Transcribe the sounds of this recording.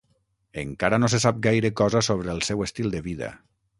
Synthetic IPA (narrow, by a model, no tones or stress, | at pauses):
əŋkaɾənos̬esap̚ɡajɾəkɔzəsoβ̞ɾəːlˠsɛwəst̪ilˠd̪əβiðə̰